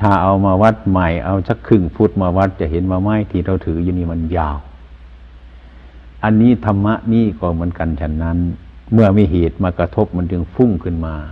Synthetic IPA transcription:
t̪ʰaː˧˩ʔa˨˩wmaː˧ʋa˧t̪̚ma˧˩jʔa˧˨wt͡ɕa˧kʰːɯ˧˩ŋfu˧˥t̪̚maː˧wa˧t̪̚t͡ɕa˧˨ɦe˨˦nwaː˧ma˧˥˩jt̪ʰiː˧t̪ʰa˧˩wt̪ʰɯː˨˩˦juː˧niː˧˨ma˧˥njaː˧˨w | ʔa˧˨nːiː˧˥˨t̪ʰa˧mːa˧ʔniː˧˥˨kɔː˧˩mɯ˨˦ənka˨nt͡ɕʰa˧nːa˧˥˨n | mɯ˧˩ɐmiː˧˨ɦeː˨˩t̪̚maː˧ka˧t̪ʰo˦˧˥p̚ma˧˥˨nt͡ɕɯ˧ŋfu˧˥˨ŋkʰɯ˧˨nmaː˧

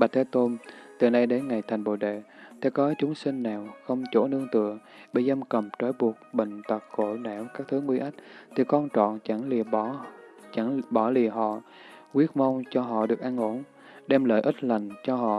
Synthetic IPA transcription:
ɓa˨˩t̪̚ʰːt̪o˧nt̪ɨ˨˩na˧jɗe˨˦nŋa˨˩jt̪ʰjŋ̟ɓo̰˧˨ɗḛ˧˨t̪ʰe˧˩kɔ˨˦t͡ɕʊ˨˦ŋ͡msï˧ŋ̟naː˨˩wxə˧wŋ͡mt͡ɕo˧˩nɨ˧əŋt̪ɨ̰˧˨ə | ɓḛ˧˩za˧mkə˨˩mt͡ɕɔ˨˧˦jɓu˨˩ək̚ɓḭ˧˨ŋ̟t̪ə˨˩k̚ko̰˧˩nɛ˧˩wkaː˦˥k̚t̪ʰɨ˨˦ŋwi˧ʔa˦˥jk̟̚t̪ʰi˨˩kɔ˧nt͡ɕɔ̰˧˨nt͡ɕa˧˩ŋlt͡ɕa˧˩ŋɓɔ˧˩li˨˩əɦɔ̰˧˨ | kwi˦˥ət̚ma˧wŋ͡mt͡ɕɔ˧ɦɔ̰˧˨ɗɨ˨˩ək̚ʔa˧nʔo˧˩n | ɗɛ˧mlə̰ː˧˨jʔi˦˥t̚la˨˩jŋ̟t͡ɕɔ˧ɦɔ̰˧˨

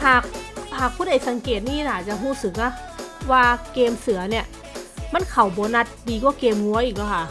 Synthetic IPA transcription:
haː˨˩k̚haː˨˩k̚pʰuː˧˥˨da˧˩jsa˨˦ŋkeː˨˩t̪̚niː˧˥˩naː˨˩t͡ɕa˧˦ɦuː˧˥˩sɯ˨˧˦k̚na˧˩ | waː˧keː˧msɯ˨˩˦ɐni˧˩ɐ | ma˧˥˨nkʰa˨˩wbɔː˨˦na˧t̪̚diː˧kɔː˧˥˦keː˧mŋu˧˦ɐ˦ʔiː˨˩k̚lɔ˧˩kʰa˧˩˨

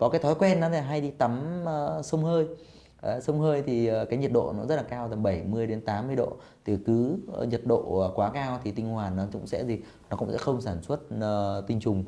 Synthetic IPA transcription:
kɔ˨˦kaː˨˦jt̪ʰɔ˨˦jkwɛ˧nːɔ˨˦t̪aː˧˩ɦa˧jɗi˧t̪ə˨˦mː˨˧sə˧wŋ͡mhəː˧j | sə˧wŋ͡mhəː˧jt̪ʰi˨˩˨kaː˨˦jɲi˨˩ət̚ɗo̰˧˨nɔ˨˦zə˦˥t̚laː˨˩kaː˧wt̪ə˨˩ɓə˧˩jmɨ˧əjɗe˨˦nt̪aː˨˦mːɨ˧əjɗo̰˧˨ | t̪ʰi˨˩kɨ˨˦ɲə˨˩t̚ɗo̰˧˨˩kwaː˨˦kaː˧wt̪ʰi˨˩t̪i˧ŋ̟hwaː˨˩nːɔ˨˦t͡ɕʊ̰˧˥ŋ͡msɛ̰˧˥zi˨˩ | nɔ˨˦kʊ̰˧ŋ͡msɛ̰˧˥xə˧wŋ͡msaː˧˩nswə˦˥t̚ːt̪ï˧ŋ̟t͡ɕʊ˨˩ŋ͡m

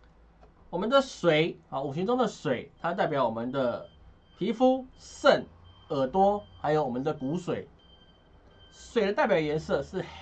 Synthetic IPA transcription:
wɔ˨mə˨˦nd̪ə˨swe˨˦ɪɔ˨˩u˨˩ɕi˧˦ŋʈ͡ʂo˥ŋd̪ə˨swe˨˩ɪt̪ʰa˥˦t̪a˥˩ɪpjɑ˨˩˦ʊwɔ˨mə˦nd̪ə˨ | pʰi˧˦˥fu˦sə˥˩nə˨˩t̪wɔ˥ha˧˥ɪjo˧˥wɔ˨˩mə˦nd̪ə˧˨ku˧˥swe˨˩˦ɪ | swe˨˩ɪd̪ə˦t̪a˥˩pjɑ˨˩ʊjɛ˧˦nsɤ˥˧˨ʂɻ̩˥˨

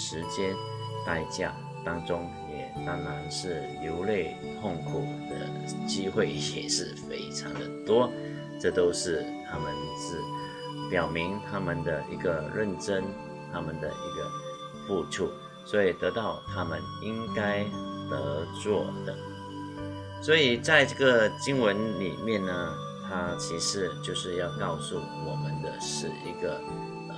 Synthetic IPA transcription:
ʂɻ̩˧˥t͡ɕjɛ˥n | t̪a˥˧ɪt͡ɕja̰˥˩ | t̪ɑ˥ŋt͡sʊ˥ŋ | jɛ˨˩t̪a˥ŋla˧˥nʂɻ̩˥˩ljo˧˥ʊle˥˧ɪ | t̪ʰo˥˩ŋkʰu˨˩d̪̥ə̰˦ | t͡ɕi˥xwe˥˩ɪɕjɛ̰˨˩ʂɻ̩˥˩fe˥ɪʈ͡ʂʰɑ˧˦ŋd̪ə˨t̪wɔ˥ | ʈ͡ʂɤ˥˩t̪o˥ʊʂɻ̩˥˩t̪ʰa˥mə˨nt͡sɹ̩˥˩ | pjɑ˨˩ʊmi˧˥ŋt̪ʰa˥mə˨nd̪ə˨ʔi˧˥ɡə˨ɻə˥˨nʈ͡ʂə˥n | t̪ʰa˥mə˨nd̪ə̰˨˩ʔi˧˥ɡə̰˧ | pu˥˧ʈ͡ʂʰṵ˥˩ | swɔ˧˦˥i˨˩t̪ɤ˧˥t̪ɑ˥˩ʊt̪ʰa˥mə˨ni˥ŋka˥ɪt̪ə̰˧˥t͡swɔ˥˩d̪̥ə̰˩ | swɔ˧˥i˨˩t͡sa˥˧ɪʈ͡ʂɤ˥˩ɡə˨˩t͡ɕi˥ŋwə˧˦˥nlḭ˨˩mjɛ˥˨nnə˩ | t̪ʰa˥t͡ɕʰi˧˥ʂɻ̩˧˥t͡ɕjo˥˧ʊʂɻ̩˥˧jɑ˥˧ʊkɑ˥˧ʊsu˥˩ | wɔ˨˩mə˨˦nd̪ə˨ʂɻ̩˨˩ḭ˧˥ɡə˨˧

